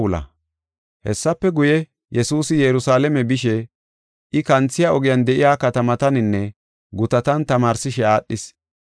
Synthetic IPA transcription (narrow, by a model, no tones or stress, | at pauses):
lɐ̰ | hɛsːɐpːɛɡʊjɛ | jɛsuːsɪjɛɾʊsaːlɛmɛbɪʃɛ | ʔɪkɐnt͡sːɪjaɔɡɪjɐnd̪ɛʔɪjaːkɐt̪ɐmɐt̪ɐnɪnːɛ | ɡʊt̪ɐt̪ɐnt̪ɐmaːɾsɪʃɛaːɗːɪs